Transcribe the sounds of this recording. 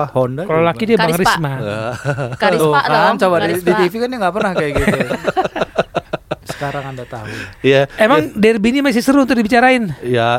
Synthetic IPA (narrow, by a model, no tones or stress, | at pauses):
ahondakalolakidiabaŋɾɪsma | ant͡ʃabaidit̪ifikanjaŋɡapərnahkajaʔɡit̪u | sə̥kaɾaŋandat̪aɦṵjaemaŋdɛrbinimas̬isəɾuunt̪ʊk̚dibit͡ʃaɾaɪnja